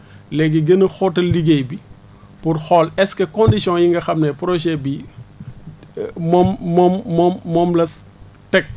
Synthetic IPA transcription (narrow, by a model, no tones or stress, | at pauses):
lɛɡiɡənɐxɔtɐliɡejbi | purxɔlɛskɐkɔndisjɔ̃ŋjiŋɡɐxɐmnɛpɾɔʒɛbi | mɔmːɔmːɔmmɔmlɐs | tɛk̚